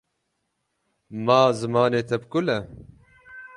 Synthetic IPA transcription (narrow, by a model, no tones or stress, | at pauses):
maːzɨmɑːneːt̪ʰɛb̚kʊlɛ